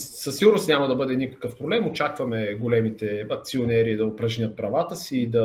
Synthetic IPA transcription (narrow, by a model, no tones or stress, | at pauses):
səsːiɡʊɾnʊst̪nʲamɐd̪ɐbɤd̪ɛnikə̥kɤfpɾoblɛmot͡ʃakvɐmɛɡolɛmit̪ɛɐk̚t̪sionʲɛɾiːd̪ɐopɾɐʒnʲət̪̚pɾɐvat̪əsiːd̪ɐ